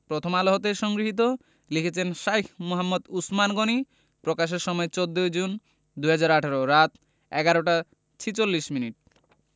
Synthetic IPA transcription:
pɾot̪ʰomaloɦot̪eʃɔŋɡɾiɦit̪̬o | likʰet͡ɕʰenʃajkʰmoɦamːod̪usmanɡoni | pɾokaʃ̬eɾʃɔmɔet͡ɕod̪ːojd͡ʑun | d̪uɦad͡ʑaɾaʈʰaɾoɾat̪ | ɛ̰ɡaɾoʈa | t͡ɕʰit͡ɕolːiʃminiʈ̚

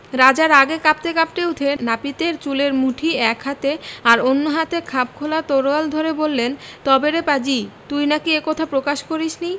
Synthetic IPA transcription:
ɾad͡ʑaɾaɡekap̚t̪ekap̚ʈeut̪ʰenapit̪eɾt͡ɕuleɾmuʈʰiɛkɦat̪eaɾonːoɦat̪ekʰap̚kʰolat̪oɾoald̪ʱoɾebolːent̪ɔbeɾepad͡ʑit̪ujnakiekot̪ʰapɾokaʃkoɾiʃni

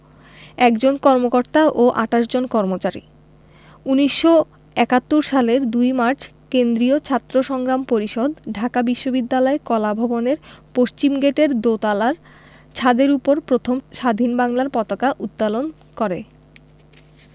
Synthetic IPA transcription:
ɛkd͡ʑonkɔɾmokoɾt̪aʔoʔa̰ʈaʃd͡ʑonkɔɾmot͡ɕaɾḭ | uniʃːo | ɛkat̪ːuɾʃaleɾd̪ujmaɾt͡ɕʰ | kend̪ɾiot͡ɕʰat̪ːɾoʃɔŋɡɾampoɾiʃod̪ɖʱakabiʃːobid̪ːalɔekɔlabʱɔboneɾpoʃt͡ɕimɡeʈeɾd̪ot̪alaɾ | t͡ɕʰad̪eɾupoɾpɾot̪ʰomʃad̪ʱinbaŋlaɾpɔt̪akaʔut̪̚palon | kɔɾe

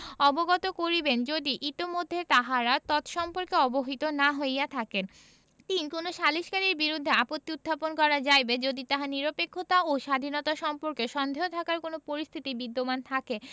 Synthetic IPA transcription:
ɔboɡɔt̪okoɾibend͡ʑod̪iʔit̪imod̪ʱːet̪aɦaɾat̪ɔt̪ʃɔmpoɾkeɔboɦit̪onaɦojat̪ʰaken | t̪inkonoʃaliʃkaɾiɾbiɾud̪ʱːeapot̪ːiud̪ʱːaponkɔɾad͡ʑajbed͡ʑod̪it̪aɦaniɾopekʰːot̪aoʃad̪ʱinɔt̪aʃɔmpoɾkeʃɔnd̪ʱeot̪ʰakaɾkonopoɾist̪ʰit̪ibid̪ːomant̪ʰake

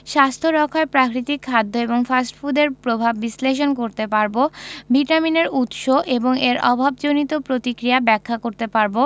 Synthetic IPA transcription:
ʃast̪ʰoɾɔkʰaepɾakɾit̪ikʰːad̪ʱːoeboŋfasʈfud̪eɾpɾobʱabːisleʃ̬onkoɾt̪epaɾbobiʈamineɾut̪ʃoʔeboŋeɾʔɔ̰bʱabd͡ʑonit̪opɾot̪ikɾijabɛkʰːakoɾt̪epaɾbo

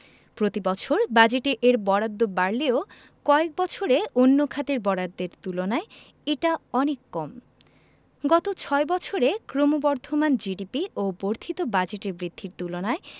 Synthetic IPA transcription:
pɾot̪ibɔt͡ɕʰoɾbad͡ʑeʈeʔeɾbɔɽad̪ːobaɾleo | kɔek̚bɔt͡ɕʰoɾeonːokʰat̪eɾbɔɽad̪ːeɾt̪ulonae | eʈaɔnekːɔm | ɡɔt̪ot͡ɕʰɔebɔt͡ɕʰoɾekɾomobɔɾd̪ʱomand͡ʑiɖipioboɾt̪ʰit̪obad͡ʑeʈeɾbɾid̪ʱːiɾt̪ulonae

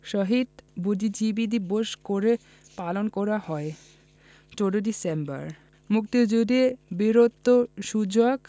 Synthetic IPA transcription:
ʃɔɦid̪bud̪id͡ʑibid̪iboʃkoɾe | palonkɔɾahɔe | t͡ɕoɖoɖisemba̰ɾ | mukt̪id͡ʑud̪ibiɾot̪ːoʃud͡ʑoɡ

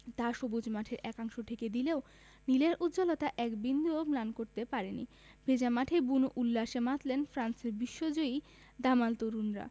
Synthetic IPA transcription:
t̪aʃobud͡ʑmaʈʰeɾʔɛkaŋʃoʈʰeked̪ileo | nileɾʔud̪d͡ʑolot̪aʔɛkbind̪uoplankoɾt̪epaɾenḭ | b̥ʱed͡ʑamaʈʰebunuʔulːaʃemat̪lenfɾanseɾbiʃːod͡ʑoi | d̪amalt̪oɾunɾa̰

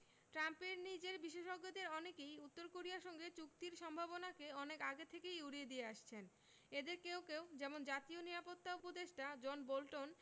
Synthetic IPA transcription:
ʈɾampeɾnid͡ʑeɾbiʃeʃoɡːod̪eɾɔnekejut̪ːoɾkoɾiaɾʃɔŋɡet͡ɕukt̪iɾʃɔmbʱabonakeɔnekaɡet̪ʰekejuɽied̪ieaʃt͡ɕʰen | ed̪eɾkewkewd͡ʑɛmond͡ʑat̪ioniɾapot̪ːaupod̪eʃʈad͡ʑɔnbolʈon

